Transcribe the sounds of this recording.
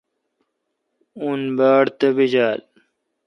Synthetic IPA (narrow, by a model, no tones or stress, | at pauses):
unbaːɽt̪ɐbid͡ʑaːl